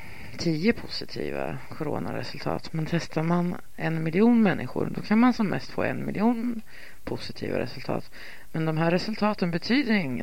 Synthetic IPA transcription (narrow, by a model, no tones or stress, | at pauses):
t̪ʰiːəpʰʊsɪt̪ʰḭːva̰ | kʰɔɾo̰ːnaɾɛsɵlt̪ʰɑ̰ːt̪mɛnt̪ʰɛst̪aɾman | ɛnmɪlɪuːnmɛnːɪɧʊ̰ɾd̪ɔkʰanmansɔmːʔɛst̪fo̰ːɛnmɪlʔɪuːn | pʰʊsɪt̪ʰḭːva̰ɾɛ̰sɵlt̪ʰɑ̰ːt̪ | mɛnd̪ɔmɦæːɾːɛsɵlt̪ʰɑːt̪ənbɛt̪ʰyːd̪əɾɪŋː